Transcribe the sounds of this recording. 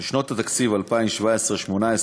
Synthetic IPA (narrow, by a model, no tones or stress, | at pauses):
ʃnot̪at̪akt͡sivalpaimʃvaesʁeʃmonaes